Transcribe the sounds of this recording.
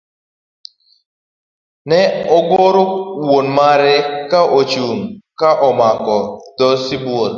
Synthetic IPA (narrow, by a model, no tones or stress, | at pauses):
nɛɔɡoɾowonmaɾɛkaʔot͡ʃuŋkaʔɔmakɔd̪̥ɔsiboɾ